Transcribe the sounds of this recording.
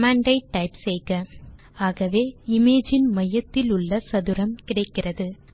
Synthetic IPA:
maːɳɖɐɪʈːɐɪpsɛjɣɐ | aːɣɐʋeːɪmeːd͡ʒɪnmɐjɐt̪ːɪlʊɭːɐsɐðɯɾɐmkɪɽɐɪkːɪrɐðɯ

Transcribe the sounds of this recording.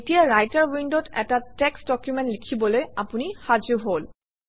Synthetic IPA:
etijaɹajtaɹwindɔtɛ̰tatɛksdɔkjumɛntlikʰibɔlojapunixad͡ʒɔɦol

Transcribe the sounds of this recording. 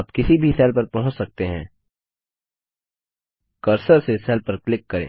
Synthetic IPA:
pkɪsibʱisɛːlpɐɾpɐɦʊ̃t͡ʃsɐk̚t̪eɦɛ̰̃ː | kɐɾsəɾsesɛːlpɐɾklɪkːɐɾḛ̃ː

